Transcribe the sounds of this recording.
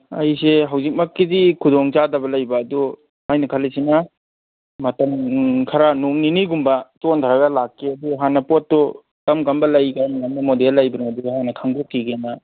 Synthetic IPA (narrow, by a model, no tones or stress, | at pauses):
ɐ̰jseɦawzik̚mɐkːidikʰudɔŋt͡ʃadɐbɐlɐjbɐːdu | majnɐkʰalisinɐ | mɐtɐmkʰaɾanuŋniniɡumbɐtont̪ʰaɾɐɡɐlakːeɐduɦanːɐpotːu | kɐmɡɐmbɐlɐjɡajmɐjamnɐmodelːɐjbɐnaɐduɦanːɐkʰaŋdokːiɡena